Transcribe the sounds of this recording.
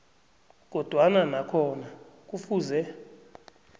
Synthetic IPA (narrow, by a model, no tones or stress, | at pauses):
k̬ɔd̥ʱwananakʰɔnak̬ʼufuːzɛ